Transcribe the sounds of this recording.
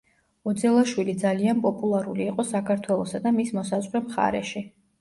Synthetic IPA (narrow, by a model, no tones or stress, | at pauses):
ɔd̪zɛlˠaʃwilid̪zalianpʼɔpʼulˠaɾuliːqʼɔsakʰaɾt̪ʰwɛlˠɔsad̪amismɔsazʁɾɛmχa̰ɾɛ̰ʃi